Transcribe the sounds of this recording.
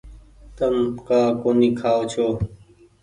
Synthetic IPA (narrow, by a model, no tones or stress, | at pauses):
t̪əmkaːkoːniːkʰaːot͡ʃʰoː